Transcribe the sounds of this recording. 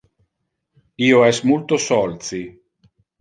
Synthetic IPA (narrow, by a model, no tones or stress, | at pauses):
iːoɛsmult̪osɔlt̪si